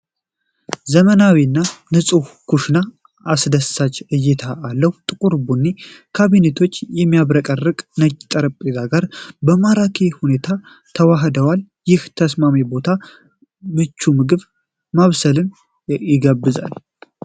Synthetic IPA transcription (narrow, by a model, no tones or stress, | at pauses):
zəmənawinːanɨsʼuhkuʃnaː | sd̪əsat͡ʃɨjːɛt̪ʰaʔːlːəhut̪ʼɨkʼuɾbunːikʰaβinet̪ʰo̞t͡ʃːjɛmːijaβɾəkʼərːɨkʼnət͡ʃʼːt̪ʼəɾəpʼezaɡaɾbəmaɾakʰehune̞t̪ʰa | t̪ʰəwaɦd̪əwal | jɪht̪ʰəsmamibo̞t̪ʰa | mɨt͡ʃːumɨɡɨβ | maβsəlɨn | jɪɡəbːɨza̰l